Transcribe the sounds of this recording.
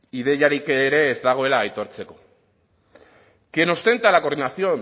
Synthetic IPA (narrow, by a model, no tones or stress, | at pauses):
iðe̞jaɾikɾe̞ːzd̪aɣ̞o̞e̞laːjt̪o̞ɾt͡se̞ko̞̥ | kieno̞st̪e̞nt̪alako̞ɾðinaθio̞